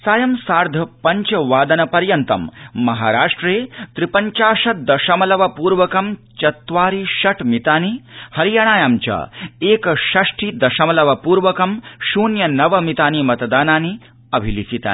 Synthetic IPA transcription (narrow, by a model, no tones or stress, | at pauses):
saːjɐmsaːɾd̪ʱɐpɐɲt͡ʃɐʋaːd̪ɐnɐpɐɾjɐnt̪ɐ̰mːɐɦaːɾaːʂʈɾeːt̪ɾipɐɲt͡ʃaːʂɐd̪ɐʃɐmɐlɐʋɐpuːɾʋɐkɐmt͡ʃɐt̪ʋaːɾiʃɐʈmit̪aːnihɐɾijaːɳ̃aːjaːmt͡ʃɐ̰eːkɐʃɐʂʈʰid̪ɐʃɐmɐlɐʋɐpuːɾʋɐkɐmʃuːnjɐnɐʋɐmit̪aːnimɐt̪ɐd̪aːnaːni | ɐbʱilisit̪a̰ːni